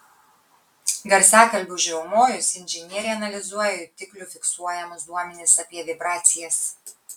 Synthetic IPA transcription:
ɡɐɾʲsʲæːkɐlʲbʲʊʒʲɛʊmoːjʊsɪnʲʒʲɪnʲiɛɾʲɛɐnɐlʲɪzuɔjɛʊt̪ʲɪklʲʊfʲɪksuɔjɛmʊsd̪uɔmʲɛnʲɪsɐpʲiɛʋʲɪbɾɑːt̪sʲɪjɛs

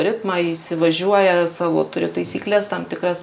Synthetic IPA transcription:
ɾʲɪt̪mɑɪsʲɪʋɐʒʲuɔjɛsɑːʋo̰ːt̪ʊɾʲɪt̪ɐɪsʲiːklʲɛst̪ɐmt̪ʲɪkɾɐs

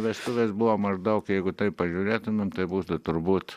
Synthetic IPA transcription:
ʋʲɛst̪ʊʋʲeːsbʊʋomɐʒd̪ɐʊkjɛɪɡʊt̪ɐɪppɐʒʲuːɾʲeːt̪ʊmʲemt̪ɐɪbuːt̪ʊt̪ʊɾbuːt̪

